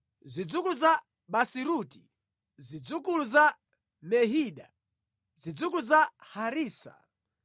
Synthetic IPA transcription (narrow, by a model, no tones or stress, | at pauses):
zid͡zukuluza | ɓasiɾuti | zid͡zukuluza | mɛɦiːɗa | zid͡zukluzahaɾiːsa̰